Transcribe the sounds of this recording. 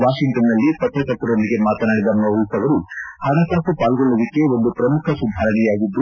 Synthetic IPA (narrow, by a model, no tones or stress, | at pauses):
ʋaːʂiŋʈɐnːɐlːipɐt̪ɾɐsɐt̪ːɐɾonːiɡe̞maːt̪ɐnaːɽid̪ɐmːɐʋusɐʋɐɾuhɐnɐsaːsupaːlɡɔɭːɐd̪ikːe̞o̞nd̪upɾɐmukʰɐsud̪ʱaːɾɐɳɛjaːɡid̪ːu